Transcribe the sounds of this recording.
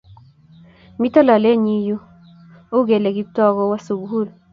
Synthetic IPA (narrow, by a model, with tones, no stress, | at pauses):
mi˦tɔ˦la˨le˦ɲi˦ju˦ | o˦ɡe˨le˨ɡi˦tɔ˦ɣɔ˦wa˦su˨ɡu˦ɾ